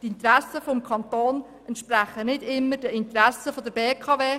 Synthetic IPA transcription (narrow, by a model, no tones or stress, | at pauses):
tɪnt̪ɾɛsːəfɔmkʰɑntoːn | ɛntʃpræχənɪdɪmːəɾd̥əɪnt̪ɾɛsəfodəɾbeːkʰɑːveː